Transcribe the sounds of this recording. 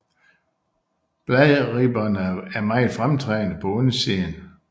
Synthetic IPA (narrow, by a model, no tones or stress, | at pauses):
b̥lɛðʁiːb̥ɐnæɐmɑ̈ɪfʁamt͡sʰʁɛːnəpʰɒ̽onəsen